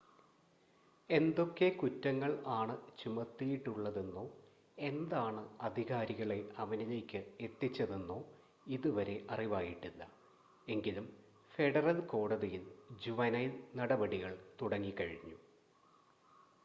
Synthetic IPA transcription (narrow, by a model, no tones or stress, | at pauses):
e̞nd̪o̞kːe̞kutːɐŋːɐɭaːɳɨt͡ɕumɐt̪ːijiʈːuɭːɐðenːoː | e̞nd̪aːɳɨɐd̪ʱiɣaːɾiɣɐɭe̞ɐʋɐnine̞ːkʲːɨe̞t̪ːit͡ɕːɐðenːoː | iðuʋɐɾe̞ʔɐriʋaːjiʈːulːɐ | e̞ŋɡilum | fe̞ɽɐrɐlko̞ːɽɐðijild͡ʑuʋɐnɐjnnɐɽɐbɐɽiɣɐɭt̪uɽɐŋːikɐɻiɲːu